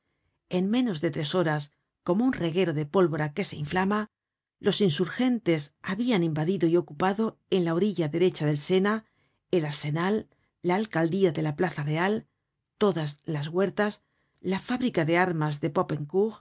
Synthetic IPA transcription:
e̞ŋmẽ̞no̞zðe̞t̪ɾe̞so̞ɾas | ko̞mounre̞ɣe̞ɾo̞ðe̞po̞lβo̞ɾake̞se̞iɱflama | lo̞sinsuɾxe̞nt̪e̞saβianimbaðiðo̞io̞kupaðo̞enlao̞ɾiʎaðe̞ɾe̞t͡ʃaðe̞lse̞na | e̞laɾse̞nalː | aːlkald̪iaðe̞laplaθare̞al | t̪o̞ðazlazɣwe̞ɾt̪as | lafaβɾikaðe̞aɾmazðe̞pope̞ŋkuɣ

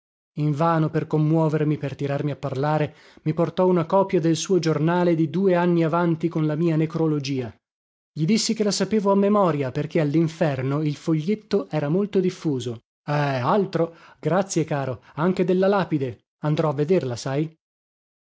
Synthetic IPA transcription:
iɱvaːnoperkomːwɔːvermipert̪iɾarmiapːarlaːɾe | miport̪ɔunakɔːpjad̪elsuːod͡ʒornaːled̪id̪uːeanːiavant̪ikonlamiːanekɾolod͡ʒiːa | ʎid̪isːik̟elasapeːvoamːemɔːɾjaperk̟ealːiɱfɛrnoilfoʎːet̪ːoʔɛːɾamolt̪od̪ifːuːzo | ɛalt̪ɾoɡɾat̪sːjekaːɾoaŋk̟ed̪elːalaːpid̪e | and̪ɾɔavːed̪erlasaj

